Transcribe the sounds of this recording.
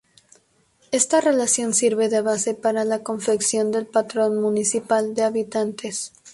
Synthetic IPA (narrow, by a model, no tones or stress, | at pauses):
e̞st̪are̞lasjo̞nsiɾβe̞ðeβase̞paɾalako̞ɱfe̞ksjo̞nd̪e̞lpat̪ɾo̞nmunisipald̪e̞aβit̪ant̪e̞s